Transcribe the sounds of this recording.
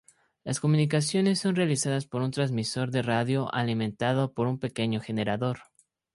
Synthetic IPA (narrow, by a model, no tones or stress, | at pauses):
lasko̞mũnik̬as̬jo̞ne̞sːo̞nrealisað̞aspo̞ɾunt̪ɾanzmiso̞ɾðe̞raðjo̞ʔalimẽ̞nt̪að̞o̞po̞ɾumpe̞ke̞ɲo̞xe̞ne̞ɾaðo̞ɾ